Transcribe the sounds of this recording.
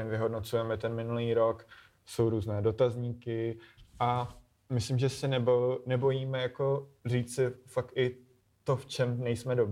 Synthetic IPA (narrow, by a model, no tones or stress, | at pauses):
ɛnvɪɦo̞dno̞t͡sujɛmɛt̪ɛnmɪnuliːɾo̞k | so̞wɾuːznɛːdo̞t̪azɲiːkɪʔa | mɪslɪmʒɛsɛnɛbonɛbo̞jiːmɛjako̞riːt͡ssɪfak̚t̪ɪ | t̪o̞ft͡ʃɛmnɛjsmɛdob